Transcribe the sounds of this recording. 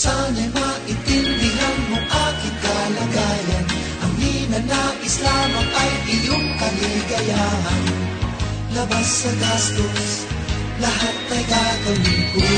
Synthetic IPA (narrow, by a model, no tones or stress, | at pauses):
sanajmaʔɪt̪ɪnd̪ɪlaŋmʊʔakɪt̪̚kalaɡajan | ʔaŋhinanaʔɪslamaŋʔajʔɪjʊŋkaliɡajahan | lɐbasːaɡast̪os | laɦat̪̚ːajɡ̪at̪amɪŋkʊ